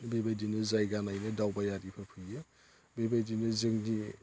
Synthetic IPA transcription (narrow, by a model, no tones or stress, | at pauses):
bebajdinɯzajɡanajnɯdawbajaɾipʰɯɾpʰɯjɯ | bebajdinɯzɯŋni